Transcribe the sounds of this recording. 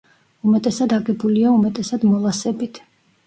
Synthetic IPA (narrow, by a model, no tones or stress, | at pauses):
umɛt̪ʼɛsad̪aɡɛbuliaumɛt̪ʼɛsad̪mɔlˠasɛbit̪ʰ